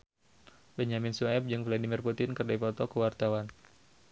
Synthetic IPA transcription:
bəɲaminsuɛp̚d͡ʒɨŋvladimirput̪ɪnkərdafɔt̪ɔkəwart̪awan

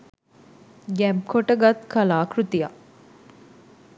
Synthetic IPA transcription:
ɡɛmp̚kʰoʈəɡat̪kʰɐlaːkɾut̪ija̰

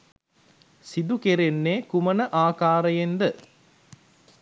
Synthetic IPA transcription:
sid̪ukeɾenːeːkumənəʔaːkaːɾəjend̪ə

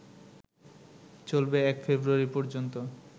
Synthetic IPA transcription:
t͡ɕolbeɛkfebɾuaɾipɔɾd͡ʑont̪o

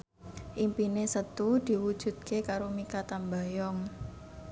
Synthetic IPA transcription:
ʔimpinesət̪ud̪̥i̤wud̥ʒ̥ṳt̪̚kekaɾomikat̪ambajɔŋ

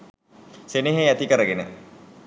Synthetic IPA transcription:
seneɦeæt̪ikəɾəɡenə̰

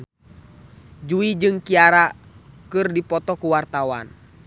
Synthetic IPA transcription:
d͡ʒuid͡ʒɨŋkiaɾakɨrdipɔt̪ɔkuwart̪awa̰n

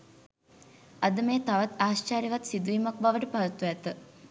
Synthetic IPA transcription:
ɐd̪əmeːt̪aʋat̪aːst͡ʃaːɾiʋat̪sid̪uimak̚baʋəʈəpaɾɐt̪ːuɛt̪ə

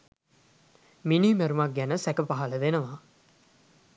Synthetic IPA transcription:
miniːmeɾumɐk̚ɡænəsɛkəpaɦɐləʋenəʋaː

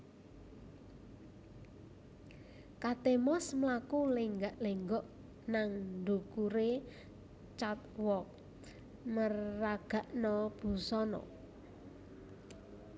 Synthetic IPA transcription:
kat̪emɔsmlakulɪŋɡaʔleŋɡɔʔ | naŋɳɖukuɾe | t͡ʃat̪̚wɔk̚ | mərːaɡ̥a̤ʔnɔb̥ṳsɔnɔ̰

